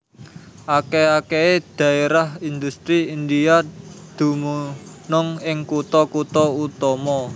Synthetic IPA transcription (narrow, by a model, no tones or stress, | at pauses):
ʔakeakeed̪̥ä̤eɾahind̪ust̪ɾiind̪ijad̪̥ṳmunʊŋɪŋkut̪ɔkut̪ɔut̪ɔmɔ